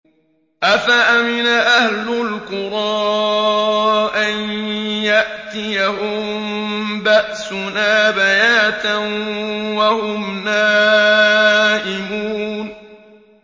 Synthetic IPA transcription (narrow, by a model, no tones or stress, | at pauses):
ʔafaʔamɪnaʔahlʊlkʊɾˤɑː | ʔanjaʔt̪ɪjahʊmmbaʔsʊnaːbajaːt̪a | wahʊmnaː | ʔɪmuːn